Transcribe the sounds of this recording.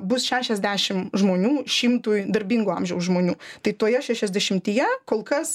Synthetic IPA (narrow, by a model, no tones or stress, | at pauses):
bʊsʃʲæːʃʲɛzʲd̪ʲæːʃʲɪmʒmoːnʲuːʃʲɪmt̪uːjd̪ɐɾʲbʲiŋɡuːɐmʲʒʲɛʊsʒmoːnʲuːt̪ɐɪt̪oːjɛʃʲæːʃʲɛzʲd̪ʲɛʃʲɪmt̪ʲiːjɛkoːlˠkɐs